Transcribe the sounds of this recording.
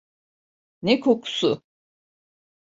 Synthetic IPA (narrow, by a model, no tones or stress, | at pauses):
nɛkʰokʰu̥sʊ